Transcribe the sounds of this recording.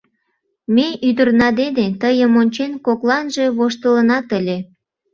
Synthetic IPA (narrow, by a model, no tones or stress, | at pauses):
meyd̪ərnɑd̪enet̪əjəmonʲt͡ɕenkoklɑnʒe̽βoʃt̪ələnɑt̪əlʲe